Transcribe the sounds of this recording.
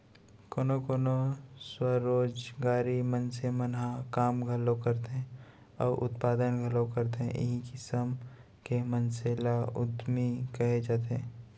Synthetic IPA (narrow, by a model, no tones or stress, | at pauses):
koːnokoːnoswəɾoːd͡ʒɡaːɾimənsemənakaːmɡʱəlokəɾt̪eɦɛ̃ | ɔ̰ːɾʔʊ̰t̪paːd̪ənɡʱəlõkəɾt̪eɦɛ̰̃ʔɪ̰ɦikɪsəm | kemənselaʊ̰d̪mikɐɦed͡ʒaːt̪eɦɛ̃ː